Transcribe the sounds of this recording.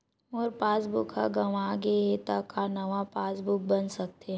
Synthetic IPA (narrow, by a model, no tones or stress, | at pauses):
oɾpaːsbʊkʰa̰ɡɐʋaːɡeɦet̪akanɐʋapaːsbʊk̚bɐnsɐk̚t̪ẽ